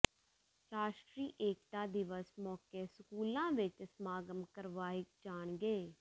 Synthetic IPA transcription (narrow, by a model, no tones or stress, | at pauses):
ʃaːsʈɾiːʔeːk̚ʈ̪aːd̪ɪʋəsmɔːkeːsəkuːlãːʋɪt͡ʃsmaːɡəmkəɾʋaːɪk̚d͡ʒaːɳɡeː